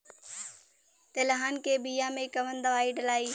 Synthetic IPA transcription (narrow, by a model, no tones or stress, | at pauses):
t̪ɐlɦaːnkeːbijamẽkɐʋənd̪ɐʋaːiɖɐlaːiː